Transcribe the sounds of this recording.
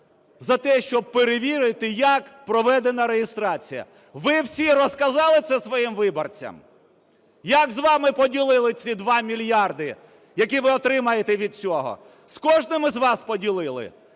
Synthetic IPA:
zɐt̪ɛʃt͡ʃɔb̚peɾeʋʲiɾɪt̪ɪjɐkpɾɔʋɛd̪enɐɾejɪst̪ɾɑt͡sʲijɐ̰ | ʋɪwsʲirɔskɐzɑlˠɪt̪sɛsʋɔjimʋɪbɔrt͡sʲɐ̰m | jɐɡzʋɑmɪpɔdʲilˠɪlˠɪt͡sʲid̪ʋɑmʲilʲjɑrd̪ɪ | jɐk̬ʲiʋɪɔt̪ɾɪmɐjet̪ɛʋʲid̪̚t͡sʲɔɦɔ̰ | skɔʒnɪmɪzʋɑspɔdʲilˠɪlˠɪ̰

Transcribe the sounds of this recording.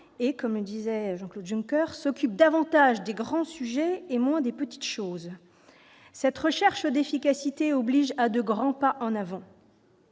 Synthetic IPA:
ekɔmləd̪izɛʒɑ̃klod̪ʒỹŋkʲœʁsɔkʲyp̚d̪avɑ̃t̪aʒd̪eɡʁɑ̃syʒɛemwɛ̃d̪epət̪i̥t̪ʃoːz | sɛt̪χəʃɛʁʃəd̪efikʲasit̪eɔbliʒad̪əɡʁɑ̃paʔɑ̃navɑ̃

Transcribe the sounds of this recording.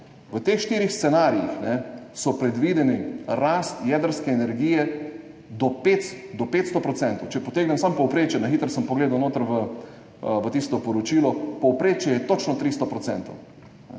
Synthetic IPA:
ʋət̪eːxʃt̪iːɾixst̪sɛnaːɾijḭxnɛsɔpɾɛd̪ʋiːd̪ɛniɾast̪jɛd̪əɾskɛːnɛɾɡiːjɛ | d̪ɔpet̪d̪ɔpeːt̪st̪ɔpɾɔt̪sɛnt̪owt͡ʃɛpɔt̪eːɡnɛmsampɔwpɾeːt͡ʃjɛnaxiːt̪əɾsəmpɔɡleːd̪awnoːt̪əɾʋə | ʋət̪ist̪ɔpɔɾɔt͡ʃiːlɔpɔwpɾeːt͡ʃjɛjɛt̪ot͡ʃnɔt̪ɾiːst̪ɔpɾɔsɛnt̪ow | nɛ̰

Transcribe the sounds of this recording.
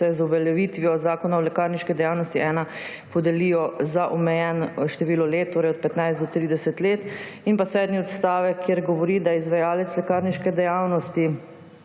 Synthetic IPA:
ɛzuʋɛljɛʋiːt̪ʋiɔzaːkɔnaɔlɛkaːɾniʃkɛd̪ɛjaːwnɔst̪iʔɛːna | pɔd̪ɛliːjɔzaʔɔmɛjɛnʃt̪ɛʋiːlɔleːt̪ːoːɾɛjɔt̪̚pɛt̪najzd̪ɔt̪ɾiːd̪ɛsɛt̪leːt̪inpasɛːd̪niɔt̪st̪aːʋɛkʰːjeɾɡɔʋɔɾiːd̪ajɛizʋajaːlɛt̪slɛkaːɾniʃkɛd̪ɛjaːwnɔst̪i

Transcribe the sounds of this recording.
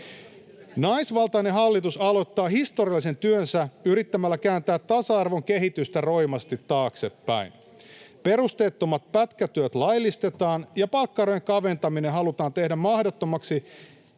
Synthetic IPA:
nɑjsʋɑlt̪ɑjneɦɑlːit̪usɑlo̞t̪ːɑːɦist̪o̞ɾiɑlːise̞nt̪yønsæyɾit̪ːæmælːækæːnt̪æːt̪ːɑsɑɑrʋo̞ŋk̟eɦit̪yst̪æro̞jmɑst̪it̪ːɑːkse̞pːæ̰in | pe̞rust̪e̞ːt̪ːomːɑt̪̚pæt̪kæt̪yøt̪lɑjlːist̪e̞t̪ɑːnjɑpɑlkːɑrojeŋkɑʋe̞nt̪ɑmineɦɑlut̪ɑːnt̪e̞hdæmmɑhdot̪ːomɑksi

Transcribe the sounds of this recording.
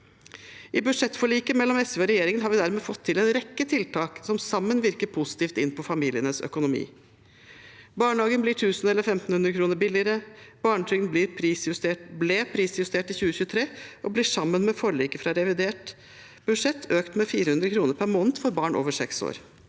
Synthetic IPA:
ʔɪbʉd̪ʂɛt̪ːfɔɭiːkəmɛlːɔmɛsʋeɔɾɛjeːɾɪŋənɦɑːɾʋɪd̪æɾmeːfɔt̪ʰːɪlɛnɾɛkːət̪ʰɪlt̪ʰɑːksɔmsɑmːənʋɪɾkəɾpʰʊsɪ̥t̪iːft̪ɪnpʰɔfɑmiːlɪənəsœ̰kʊnʊmḭː | bɑːɳəhɑːɡənbliːʈʰʉːsnɛlːəɾfɛmt̪n̩hʉnd̪ɾəkʰɾuːnəɾbɪlɪəɾəb̥ɑːɳəʈ̪ʰʏənbliːɾpʰɾiːsjʉst̪eːʈbleːpʰɾiːsjʉst̪ʰeːʈɪçʉːəçʉːət̪ʰɾeːʔɔbliːʂɑmːənmɛfɔɾɭiːkəfɾɑɾɛʋɪd̪eːʈ | b̥ʉd̪ʂɛt̪ʰːøːkt̪mɛfiːɾəhʉnd̪ɾəkʰɾuːnəɾpʰæɾmoːnt̪fɔɾbɑːɳʔo̰ːʋəʂɛ̰kso̰ːɾ

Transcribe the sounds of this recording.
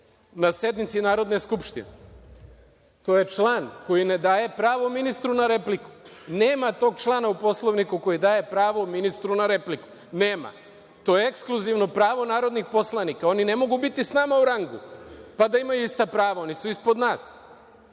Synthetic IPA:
nasje̞d̪mit̪sinaːɾo̞d̪ne̞skupʃt̪ḭne | t̪o̞ːje̞t͡ʃlˠaːnko̞jine̞d̪aːje̞pɾaːʋominist̪ɾunaɾe̞pliku̥neːmat̪o̞ːɡt͡ʃlˠaːnaupo̞slˠoʋnikuko̞jid̪aːje̞pɾaːʋominist̪ɾunaɾe̞pliku̥ | ne̞ːma̰ | t̪o̞jeekskluziʋno̞pɾaːʋo̞naːɾo̞d̪nixpo̞slˠanikao̞nine̞mo̞ɡubit̪isnaːmauɾaŋɡṵpad̪aimajuist̪apɾaːʋao̞nisuispod̪naːs

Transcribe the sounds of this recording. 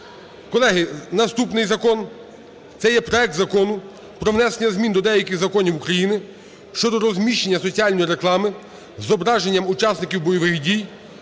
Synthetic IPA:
kɔlˠɛɦɪnɐst̪upnɪjzɐkɔn | t̪sɛjɛpɾɔɛk̚t̪zɐkɔnʊ | pɾɔʋnɛsenʲɐzmʲind̪ɔd̪ɛjɐkɪɣzɐkɔnʲiwukɾɐjinɪ | ʃt͡ʃɔd̪ɔɾɔzmʲiʃt͡ʃenʲːɐsɔt͡sʲiɑlʲnɔjiɾe̞klˠɑmɪ | zɔbɾɑʒe̞nʲːɐmʊt͡ʃɑsnɪkʲiwbɔjɔʋɪxdʲij

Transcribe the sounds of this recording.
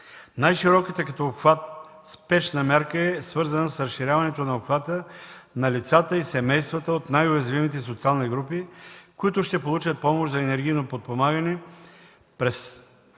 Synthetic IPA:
najʃiɾɔkit̪ɛkɐt̪ɔopxvat̪̚ | spɛʃnɐmʲaɾkəɛsvɤɾzɐnəsɾɐsʃːiɾʲavɐnɛt̪onɐopxvat̪ənɐlit̪sat̪əisɛmɛjst̪vɐt̪əot̪najʊjɐzvimit̪̬ɛsot̪sialˠniɡɾupikʊit̪ʊʃt̪ɛpolˠut͡ʃət̪̚pɔmoʃzɐɛnɛɾɡ̟ʲijnopot̪̚pomaɡənɛ | pɾɛs

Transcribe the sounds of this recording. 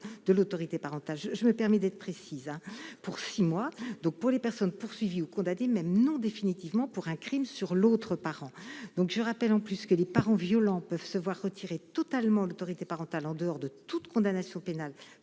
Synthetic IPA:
d̪əlot̪ɔʁit̪epaʁɑ̃t̪alʒəʒəməpɛʁmɛd̪ɛt̪χəpχesizɛ̃puʁsimwad̪ɔ̃k̚puʁlepɛʁsɔnpuʁsɥiviukɔ̃d̪anemɛmnɔ̃d̪efinit̪ivmɑ̃puʁɛ̃kχimsyʁlot̪χəpaʁɑ̃d̪̥ɔ̃kʒəʁapɛlɑ̃plyskəlepaʁɑ̃vjɔlɑ̃pœv̥səvwaʁːət̪ʰiʁet̪ɔt̪almɑ̃lot̪ɔʁit̪epaʁɑ̃t̪alɑ̃d̪əɔʁd̪ət̪ut̪kɔ̃d̪anasjɔ̃penal

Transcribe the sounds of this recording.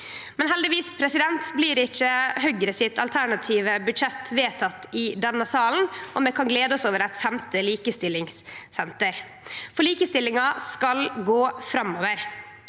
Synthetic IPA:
mɛnɦɛld̪ɪʋiːspʰɾɛsɪd̪ɛnt̪bliːɾɪt͡ʃːəhœɡɾəsɪt̪ʰɑlt̪ʰæɳɑt̪ʰiːʋəbʉd̪ʂɛt̪ːʋeːt̪ʰɑt̪ːɪd̪ɛnːəsɑːln̩ʔɔmɛkʰɑnɡleːd̪əɔsoːʋəɾɛt̪fɛmt̪əliːkəst̪ɪlɪŋsːɛnt̪əɾ | fɔɭiːkəst̪ɪlɪŋɑskɑlɡoːfɾɑmːɔːʋəɾ

